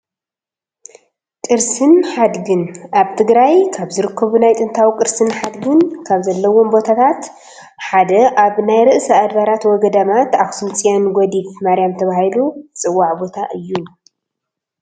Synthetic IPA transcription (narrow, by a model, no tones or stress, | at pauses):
kʼɨɾsɨnħad̪ɡɨnʔaβt̪ʰɨɡɾajkʰaβzɨɾɨkʰːɐβunajt̪ʼɨnt̪ʰawikʼɨɾsɨnħad̪ɡɨnkʰaβzɐlːɐwo̞mbo̞t̪ʰat̪ʰat̪ | ħad̪ɐʔaβnajɾɨʔsɐad̪baɾat̪wɔɡɐd̪amat̪axsɨmt͡sʼijanɡʷɔd̪ifmaɾijamt̪ʰɐβahilut͡sʼɨwːaʕbo̞t̪ʰaʔɨjːu